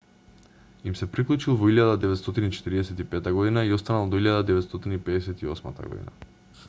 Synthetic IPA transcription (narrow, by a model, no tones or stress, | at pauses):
imsɛpɾiklˠut͡ʃilˠvɔiljad̪ad̪ɛvɛt̪st̪ɔt̪init͡ʃɛ̥t̪iɾiɛsɛt̪ipɛt̪aɡɔd̪inaiɔst̪analˠd̪ɔiʎad̪ad̪ɛvɛt̪st̪ɔt̪inipɛɛsɛt̪iɔsma̰t̪a̰ɡɔ̰d̪ḭna̰